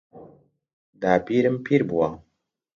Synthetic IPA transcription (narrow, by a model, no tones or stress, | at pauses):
d̪aːpiɾɨmpʰiɾbuwa